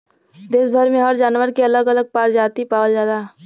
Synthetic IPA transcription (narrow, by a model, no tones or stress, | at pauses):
d̪eːsbʱəɾmẽɦəɾd͡ʒaːnʋəɾkeɐləɡɐləɡ̚paːɾd͡ʒaːt̪ipaːwəld͡ʒaːd̪aː